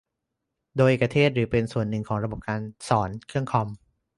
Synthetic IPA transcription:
doː˧jʔe˨˩k̚ːpɾa˧t̪ʰeː˥˩t̪̚ɾɯː˩˦pe˧nsu˨˩ənːɯ˨˩ŋkʰɔː˩˦ŋɾa˧bo˨˩p̚kaː˧nsɔː˩˦nkʰɯ˥˩əŋkʰɔ˧m

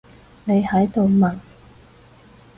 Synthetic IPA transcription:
ne˨˧jhɐ˨˥jt̪o˨wmɐ˨˩n

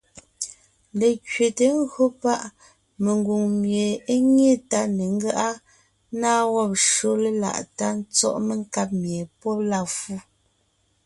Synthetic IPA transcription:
le˨kɥe˨te˨˦ŋ̩˦ɣɰo˦pa˦ʔ | me˨ŋɡu˨ŋmje˨e˦ɲe˦ta˦ne˨ŋ̩˦ɡa˦ʔa˦ | naː˦wɔ˦p̚ʃo˦le˦la̰˨ʔta˦n˦t͡sɔ̰˦ʔme˨ŋ˦ka˦p̚mje˨pwɔ˦p̚la˦˨fu˦˨

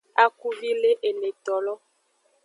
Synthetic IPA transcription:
a˦ku˦vi˦le˦ʔe˨le˨t̪ɔ˨lɔ˦

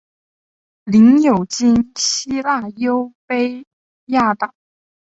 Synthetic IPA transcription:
li˧˥ŋjo˨˩ʊt͡ɕi˥nɕi˥la˥˩jo˥ʊpe˥ɪ | ja˥˩t̪ɑ˨˩˦

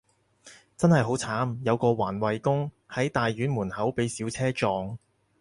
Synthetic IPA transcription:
t͡sɐ˥nhɐ˨˩jɦo˨˥wt͡sʰaː˨˥mjɐ˨˧wkɔː˧waː˨˩nwɐ˨jkʊ˥ŋ | hɐ˨˥jt̪aː˨jɥyː˨˥nmuː˨˩nhɐ˨˥wpe˨˥jsiː˨˥wt͡sʰɛː˥t͡ʃɔː˨˧ŋ

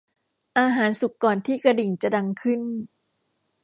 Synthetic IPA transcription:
ʔaː˧ɦaː˩˦nsu˨˩kːɔː˨˩nt̪ʰiː˥˩kɾa˧di˨˩ŋt͡ɕa˨˩da˧ŋkʰɯ˥˩n

